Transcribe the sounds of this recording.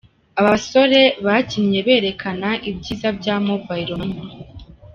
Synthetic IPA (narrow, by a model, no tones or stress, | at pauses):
aβaso̞ɾe̞βaciɲɲe̞βe̞ːɾe̞kʰanaʔibɟiːzab̚ɟaːmobaiɾoni